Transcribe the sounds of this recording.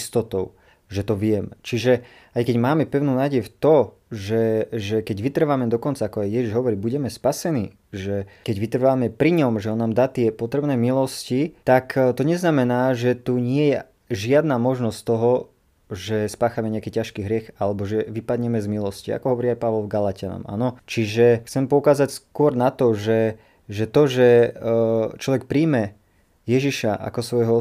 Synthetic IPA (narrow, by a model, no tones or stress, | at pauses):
st̪ɔt̪ɔʊ | ʒɛt̪ɔʋɪɛmt͡ʃiʒɛ | ajkɛɟmaːmɛpɛʊnuːnaːɟɛjft̪ɔ | ʒɛʒɛkɛɟʋit̪r̩ʋamɛd̪ɔkɔnt͡saakɔajːɛʒiʒɦɔʋɔɾibuɟɛmɛspasɛniː | ʒɛkɛɟʋit̪r̩ʋamɛpɾiɲɔmʒɛɦɔnaːmd̪aːt̪ɪɛpɔt̪ɾɛbnɛːmilɔscit̪akt̪ɔɲɛznamɛnaːʒɛt̪uɲɪɛjɛ | ʒɪad̪namɔʒnɔsct̪ɔɦɔ | ʒɛspaːxamɛɲɛakiːcaʃkiːɦɾɪɛxalɛbɔʒɛʋipad̪ɲɛmɛzmilɔscia̰kɔɦɔʋɔɾiajpaʋɔlvɡalacɪanɔ̰ma̰ːnɔt͡ʃiʒɛxt͡sɛmpɔukaːzacskʊɔɾnat̪ɔʒɛ | ʒɛt̪ɔʒɛ | t͡ʃlɔʋɛk̚pɾiːmɛ | jɛʒiʃaʔa̰kɔsʋɔjɦɔ